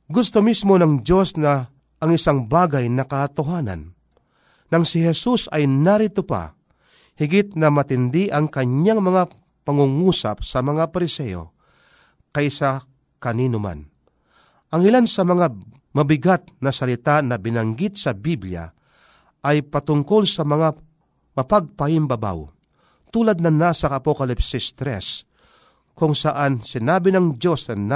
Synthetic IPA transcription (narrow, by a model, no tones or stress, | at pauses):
ɡʊst̪omismo̞nɐŋd͡ʒo̞snɐː | ŋɪsaŋbaːɡajnɐkɐːt̪ʊɦaːnɐ̰nː | ɐŋsɪhɛsusɐjnaɾɪt̪ʊpa̰ | hɪɡɪt̪̚nɐmɐt̪ɪnd̪ɪʔɐŋkɐɲɲaŋmɐŋa | pɐŋʊŋusa̰p̚sɐmɐŋapɐɾɪsɛjo̰ | kɐjsa | kɐniːnʊma̰n | ʔɐŋɪlansɐmɐŋa | mɐbɪɡat̪̚nɐsɐlɪt̪anɐbɪnɐŋɡit̪̚sɐbiblja̰ | ʔɐjpɐt̪ʊŋko̞lsɐmɐŋa | mɐpaɡ̚pɐhɪmbɐba̰w | t̪uːlɐd̪̚nɐnasɐɐɐpokɐlɪpsɪst̪ɾɛs | kʊŋsɐʔansɪnaːbɪnɐŋdo̞snɐn